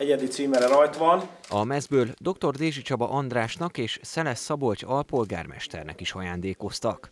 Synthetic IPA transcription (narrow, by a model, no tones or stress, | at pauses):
ɛɟɛd̪it̪siːmɛɾɛɾɒjt̪ʋɒnɒmɛzbøːld̪o̞kt̪o̞rd̪eːʒit͡ʃɒbɒ̰ʔɒnd̪raːʃnɒkeːʃsɛlɛsːɒbo̞lcɒlpo̞lɡa̰ːrmɛ̰ʃt̪ɛ̰rnɛ̰kiʃɒjaːnd̪eːko̞st̪ɒk